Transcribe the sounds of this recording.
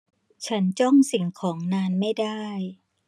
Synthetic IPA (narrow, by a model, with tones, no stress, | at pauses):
t͡ɕʰa˦˥nt͡ɕɔ˥˩ŋsi˨˩˦ŋkʰɔː˩˦ŋnaː˧nma˥˩jdaː˥˩j